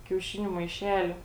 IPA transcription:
kʲɛʊˈʃʲɪnʲʊ mɐɪˈʃʲæːlʲʊ

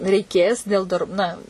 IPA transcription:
rʲɛɪˈkʲeːs dʲeːlˠ dɐr ˈnɐ

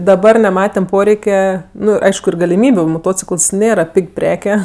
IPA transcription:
dɐˈbɐr nʲɛˈmɑːtʲɛm ˈpoːrʲɛɪkʲɛ ˈnʊ ˈɐɪʃkʊ ɪr ɡɐlʲɪˈmʲiːbʲʊ moːˈtoːt͡sʲɪkəlˠs ˈnʲeːrɐ ˈpʲɪkʲ ˈpʲrʲæːkʲɛ

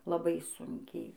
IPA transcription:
lˠɐˈbɐɪ ˈsʊŋʲkʲɛɪ

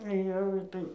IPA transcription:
ˈjɛʊ ˈɪtɐɪ

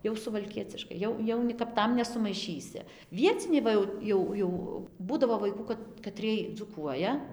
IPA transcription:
jɛʊ sʊʋɐlʲˈkʲiɛt͡sʲɪʃkɐɪ ˈjɛʊ ˈjɛʊ nʲɪ kɐp ˈtɐm nʲɛsʊmɐɪˈʃʲiːsʲɪ ˈʋʲiɛt͡sʲɪnʲɛɪ ˈʋɐ jɛʊ ˈjɛʊ jɛʊ ˈbuːdɐʋoː ʋɐɪˈkuː kɐt kɐˈtʲrʲiɛj d͡zuːˈkuɔjɛ

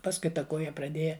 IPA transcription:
ˈpɑːskʊɪ ˈtɐ ˈkoːjɛ prɐˈdʲeːjɛ

